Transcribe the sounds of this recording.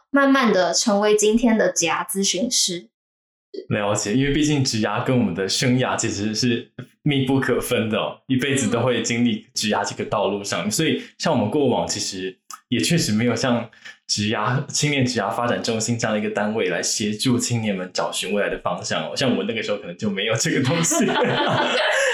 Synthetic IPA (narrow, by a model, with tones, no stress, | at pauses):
ma˥˧nma˥˩nd̪ə˩ʈ͡ʂʰɤ˧˥ŋwe˧˥ɪt͡ɕi˥nt̪ʰjɛ˥nd̪ə˨t͡ɕjaa˨˩t͡sɹ̩˥ɕy˧˥nʂɻ̩˥˩ | ljɑ˧˥ʊt͡ɕjɛ˨˩˦i˥nwe˥˧ɪpi˥˧t͡ɕi˥˩ŋʈ͡ʂɻ̩˧˥ja˥kə˥˦nwɔ˨mə˦nd̪ə˧ʂɤ˥ŋja˥˩t͡ɕʰi˧˥ʂɻ̩˧˥ʂɻ̩˥˧ | mi˥˧pu˥˩kʰɤ˨˩fə˥nd̪ə˨ɔ̰˨˩i˥pe˥˩ɪd͡zɹ̩˩t̪o˥ʊxwe˥˩t͡ɕi˥ŋli˥˩ʈ͡ʂɻ̩˧˥ja˥ʈ͡ʂə˥˧˩ɡə˧t̪ɑ˥˧ʊlu˥˧ʂɑ˥˩ŋ˨˩swɔ˧˥i˨˩ɕjɑ˥˩ŋwɔ˨mə˦nkwɔ˥˩wɑ̰˨˩ŋt͡ɕʰi˧˥ʂɻ̩˧˥jɛ˨˩t͡ɕʰɥɛ˥˩ʂɻ̩˧˥me˧˥ɪjo˨˩ʊɕjɑ˥˩ŋʈ͡ʂɻ̩˧˥ja˥t͡ɕʰi˥ŋnjɛ˥˩nʈ͡ʂɻ̩˧˥ja˥fa˥ʈ͡ʂa˨˩nʈ͡ʂɕi˥nʈ͡ʂɤ̃˥˧˥nd̪i˧ɡə˩t̪a˥nwe˥˩ɪla˧˥ɪɕjɛ˧˥ʈ͡ʂu˥˧t͡ɕʰi˥ŋnjɛ˥˩nmə˨˦nʈ͡ʂɑ˨˩ʊɕy˧˥nwla˧˥ɪd̪ə˧fɑ˥ŋɕjɑ˥˩ŋɔ̰˨˩ɕjɑ˥˩ŋwɔ˨˩˦na˥˩ɡəʂɻ̩˧˥xo˧kʰɤ˨˩n˧˦t͡ɕjo˥˩ʊme˧˥ɪjo˨˩ʊʈ͡ʂɤ˥˩ɡə˩t̪ʊ˥ŋɕi˨˩